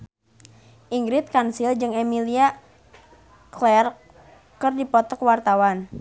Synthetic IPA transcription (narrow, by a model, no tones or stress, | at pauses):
ʔiŋɡɾɪt̪̚kansild͡ʒɨŋɛmilia | klɛr | kɨrdipɔt̪ɔkwart̪awan